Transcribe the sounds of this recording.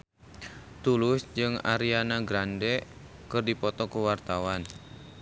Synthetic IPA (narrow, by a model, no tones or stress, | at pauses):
t̪ulʊsd͡ʒɨŋa̰ɾianaɡɾandɛ | kɨrdipɔt̪ɔkuwart̪awan